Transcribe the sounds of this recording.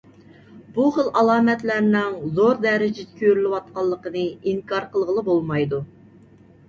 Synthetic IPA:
buχəlʔɑlˠɑːmɛt̪læɾnɪŋzoɾd̪ɛɾɪd͡ʒɪd̪ɪkʲʰøɾlɪwɑt̪̚qɑlˠːəqənɨiŋkʰɑɾqəlˠʁəlˠəbolˠmɑjd̪u

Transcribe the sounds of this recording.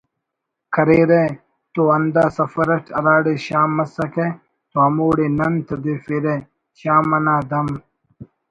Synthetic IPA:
kʰɐɾeːɾe | t̪oɐnd̪aːsɐfɐɾɐʈʰɐɾaːɽeːɕaːmːɐsɐkeː | t̪oɦɐmoːɽeːnɐnt̪ʰɐd̪eːfeɾeː | ɕaːmɐnaːd̪ɐm

